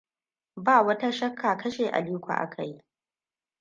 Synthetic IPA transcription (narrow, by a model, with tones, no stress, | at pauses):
baː˦˨wɐ˦ta˦ʃɐ˦kʰːaː˨kɐ˦ʃeː˨ʔa̰˨li˦kʷa̰˨ʔa̰˦kʰa˨ji˦